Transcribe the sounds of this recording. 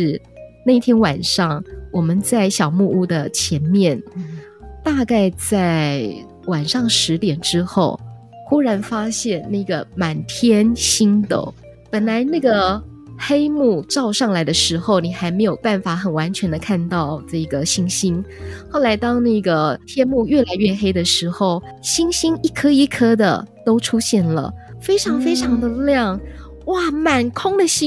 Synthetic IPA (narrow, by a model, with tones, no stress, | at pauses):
ʂɻ̩˥˩ | na˥˧i˥˩t̪ʰjɛ˥nwa˨˩nʂɑ˥˩ŋwɔ˨˩mə˦nt͡sa˥˩ɪɕjɑ˨˩ʊmu˥˧u˥˩d̪ə˨t͡ɕʰjɛ˧˥nmjɛ˥˩n | t̪a˥˧ka˥˧ɪt͡sa˥˩ɪ | wa˨˩nʂɑ˥˩ŋʂɻ̩˧˥t̪jɛ˨˩nʈ͡ʂɻ̩˥xo˥˩ʊ | xu˥ɻa˧˥nfa˥ɕjɛ˥˧nna˥˩˧ɡə˩ma˨˩nt̪ʰjɛ˥nɕi˥nt̪o̰˨˩˦ʊ | pə˨˩nla˧˥ɪna˥˩ɡə˩ | xe˥ɪmu˥˩ʈ͡ʂɑ˥˧ʊʂɑ˥˩ŋla˧˥ɪd̪ə˧ʂɻ̩˧˥xo˥˧ʊni˨˩xa˧˥ɪme˧˥ɪjo˨˩ʊpa˥˩nfa˨˩˦xə˨˩nwa˧˥nt͡ɕʰɥɛ˧˥nd̪ə˧kʰa˥˧nt̪ɑ˥˧ʊʈ͡ʂɤ˥˩˧ɡə˩ɕi˥ŋɕi˥nxo˥˩ʊla˧˥ɪt̪ɑ˥ŋna˥˩ɡə˩t̪ʰjɛ˥nmu˥˧ɥɛ˥˩la˧ɪɥɛ˥˩xe˥ɪd̪ə˨ʂɻ̩˧˥xo˥˧˩ʊ | ɕi˥ŋɕi˥ni˥˩kʰɤ˥i˧˥˩kʰɤ˥d̪ə̰˨t̪o˥ʊʈ͡ʂʰu˥ɕjɛ˥˩nlə̰˩fe˥ɪʈ͡ʂʰɑ˧˥ŋfe˥ɪʈ͡ʂʰɑ˧˥ŋd̪ə˧ljɑ˥˩ŋ | wa˥˩ma˨˩nkʰʊ˥ŋd̪ə˨ɕi˥